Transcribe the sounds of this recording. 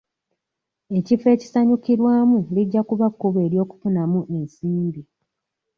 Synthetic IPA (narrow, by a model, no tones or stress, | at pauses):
e̞cife̞ːci̥saɲukiɾwaːmuliɟːakuβakːuβe̞ːɾjo̞ːku̥funamuʔe̞nsiːmbi